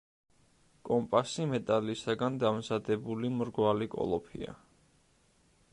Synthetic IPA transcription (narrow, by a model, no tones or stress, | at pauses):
kʼɔmpʼasimɛt̪ʼalisaɡand̪amzad̪ɛbulimɾɡwalikʼɔ̰lˠɔpʰḭa̰